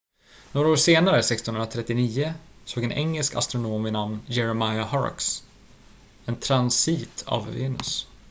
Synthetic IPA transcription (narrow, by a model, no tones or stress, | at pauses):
noːɾaoːʂeːnaɾəsɛkst̪ɔnɵnɾat̪ʰɾɛt̪ːɪniːʊsoːɡɛnʔɛ̰ŋːɛlska̰st̪ɾʊnoːmɪnamnjɛɾəmajahɑ̰ɾks | ɛnt̪ʰɾansiːt̪ʰa̰vvḛːnɵ̰s